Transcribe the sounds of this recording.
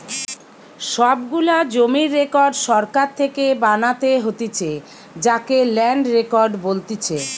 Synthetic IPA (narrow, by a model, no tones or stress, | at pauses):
ʃɔbɡulad͡ʑomiɾːekɔɾɖʃɔɾkaɾt̪ʰekebanat̪eɦot̪it͡ɕʰe | d͡ʑakelɛɳɖɾekɔɾɖbolt̪it͡ɕʰe